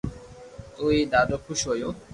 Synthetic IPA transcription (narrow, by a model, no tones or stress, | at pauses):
t̪ujd̪ad̪okʰuʃojo